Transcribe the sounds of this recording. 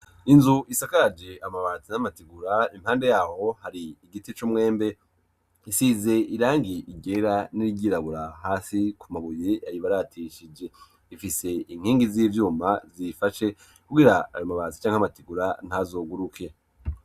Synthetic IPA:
inzuisakaɾad͡ʒe̞amaβaːt͡sinamatiɡuɾaim̥haːnde̞jaːho̞haɾiiɡitit͡ʃumŋe̞ːmbe̞ | isiːze̞ʔiɾaːŋɡiʔiɟe̞ɾaniɾiɟiɾaβuɾahaːsikʰumaβujejajiβaɾatʰiʃid͡ʒe̞ | ifise̞iŋ̥hiːŋɡiziːvjuːmazifaʃe̞ | kuɡiɾaa̰jomaβaːt͡si̥t͡ʃaːŋhamatiɡuɾan̥hazoːɡuɾukʰe̞

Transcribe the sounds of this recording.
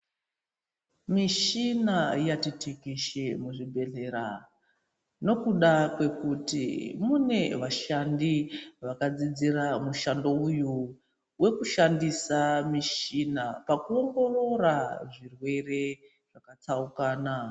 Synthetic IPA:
miʃinajatitikiʃemuʐibʱe̞ɮe̞ɾa | no̞kuɗakwe̞kutḭmune̞ʋaʃandiʋakad͡zid͡ziramuʃando̞uju | we̞kuʃandisamiʃinapakuo̞ŋɡo̞ro̞raʐirwe̞re̞ | ʐ̥akat͡saukaːna

